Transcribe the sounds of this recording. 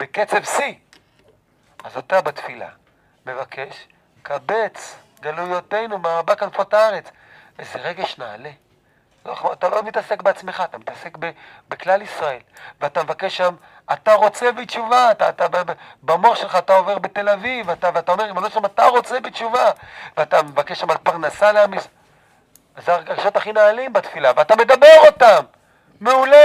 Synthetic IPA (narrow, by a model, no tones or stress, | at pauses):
b̥eket͡se̞vsi | azat̪abat̪fila̰ | me̞vakʰe̞ʃ | kabe̞t͡s | ɡalujot̪e̞jnumaabakanfotaaʁe̞t͡svezeʁeɡeʃnaːle̞ | loat̪alomit̪ase̞kbeat͡smeχaːt̪amit̪ase̞kbe | beklalisʁae̞lveatamevakeʃːam | at̪aʁo̞t͡se̞bit͡ʃuvat̪at̪ababamoχʃe̞lχaːt̪ao̞veʁbet̪e̞lavivat̪aveatao̞me̞imanoʃamat̪aʁo̞t͡se̞bit͡ʃuvaveat̪amevakeʃːamalpaʁnasaleamis | zeaɡaʃo̞t̪aχinaːlimbat̪filaveat̪ame̞dabe̞ʁo̞tamː | eule